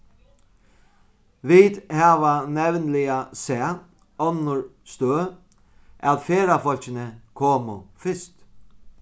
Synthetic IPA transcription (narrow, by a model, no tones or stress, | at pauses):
ʋid̪haːʋanɛʋnlɪasɛː | ɔnːʊɹst̪øː | ʔæt̪feːɾafɔlcɪnəkʰoːmʊfɪst̪